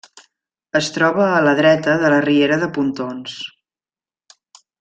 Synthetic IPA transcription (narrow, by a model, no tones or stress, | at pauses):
əst̪ɾɔβəːləðɾɛt̪əðələrieɾəðəpunt̪ons